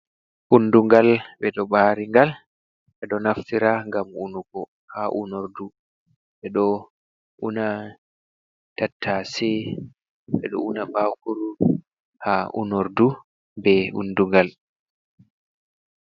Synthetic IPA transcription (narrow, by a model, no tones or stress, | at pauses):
ʔunduŋɡalɓɛɗɔɓaːɾiŋɡal | ɓɛɗɔnaftiɾaŋɡamunukɔ | haʔṵnoɾdu | ɓɛɗɔ | ʔuna | tatʰːasɛ | ɓɛɗɔ̰unabawkuɾu | haʔṵnoɾdu | bɛʔṵnduŋɡal